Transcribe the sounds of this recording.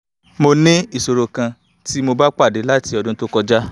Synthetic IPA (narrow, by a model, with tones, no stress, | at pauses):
mo˧nĩ˦i˦˨so˨ɾo˧kã˧ | ti˦mo˧ba˦k͡pa˦˨de˨˦la˦ti˧ɔ˧dũ˦to˦kɔ˧d͡ʒa˦